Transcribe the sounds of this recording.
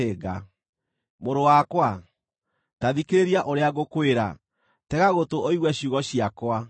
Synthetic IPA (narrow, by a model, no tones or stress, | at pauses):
eɣa | moɾowakwa | taðikeɾeɾiaʔoɾeaɣokweɾa̰ | tɛɣaɣotooiɣwɛɕuɣɔɕiakwa